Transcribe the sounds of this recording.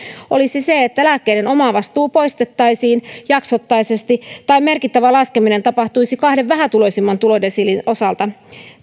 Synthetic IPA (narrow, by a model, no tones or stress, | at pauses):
ʔo̞lisise̞et̪ːælækːe̞jde̞no̞mɑːʋɑst̪uːpo̞jst̪et̪ːɑjsiːnjɑksot̪ːɑjse̞st̪it̪ɑime̞rkit̪ːæʋælɑske̞mine̞nt̪ɑpɑht̪uisikɑhdeʋʋæɦæt̪ulo̞simːɑnt̪ulo̞densilino̞sɑlt̪ɑ